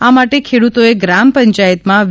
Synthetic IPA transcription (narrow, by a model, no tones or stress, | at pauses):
amaʈekʰeɽut̪oeɡɾampəɲt͡ʃajət̪mãʋ